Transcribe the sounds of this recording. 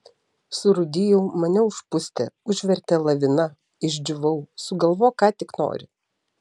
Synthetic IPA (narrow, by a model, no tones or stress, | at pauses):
sʊɾʊd̪ʲɪjɛʊmɐnʲɛʊʃpʊsʲt̪ʲɛ̰ʊʒʲʋʲɛɾʲt̪ʲɛlˠɐʋʲɪnɐ | ɪʒʲd͡ʒʲʊʋɐʊsʊɡɐlˠʋoːkɑːt̪ʲɪkno̰ːɾʲɪ